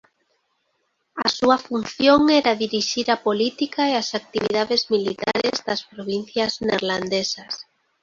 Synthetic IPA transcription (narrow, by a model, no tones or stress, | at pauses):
a̰suafun̟θjoŋɛɾaðiɾiʃiɾapolit̪ikaeasak̚t̪iβiðaðezmilit̪a̰ɾezðaspɾoβ̞in̟θjazneɾland̪esas